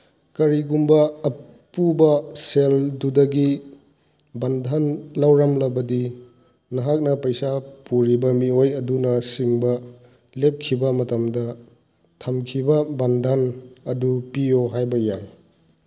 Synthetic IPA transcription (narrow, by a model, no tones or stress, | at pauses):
kɐɾiɡumbɐː | pubɐseldudɐɡi | bandʱanlawɾamlɐbɐdi | nɐɦak̚nɐpɐjsapuɾibɐmiojɐdunɐsiŋbɐ | lep̚kʰibɐmɐtɐmdɐ | tʰɐmkʰibɐbɐndʱɐnɐdupijoɦajbɐjaj